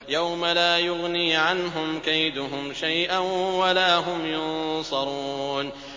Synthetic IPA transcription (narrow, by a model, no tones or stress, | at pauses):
jawmalaːjʊɣniːʕanɦʊmkajd̪ʊɦʊmʃajʔanwalaːɦʊmjʊnnsˤɑɾˤuːn